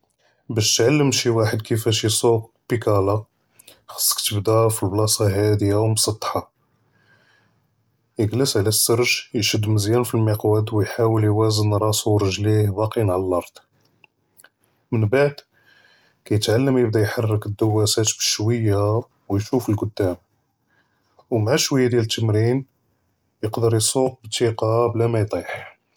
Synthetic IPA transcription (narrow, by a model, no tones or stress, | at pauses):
bæʃt̪ʕalːəmʃiwaħəd̪kəfæʃisˤobpikæla | xɑ̥sˤːə̥kt̪əbd̪æfilblɑsˤɑɦæd̪ijawmsˤɑt̪ˤːħɑ | jəɡləsʕlæsːəɾˤʒjʃəd̪ːməzjænfilmiqwæd̪wjħawəljwæzənɾˤɑsuɾˤəʒlihbɑqinʕaləlɑɾˤd̪̥ˤ | mənbaʕd̪ | kæjət̪ʕalːəmjəbd̪æjħɑrˤːəkəd̪ːəwːæsæt̪bəʃwəjːa | wjʃufəlɡʊd̪ːæm | wmʕaʃwəjːad̪jælət̪ʰːəmɾin | jəqd̪əɾjsˤuq̚bət̪ːiqɑblæmæjt̪ˤiħ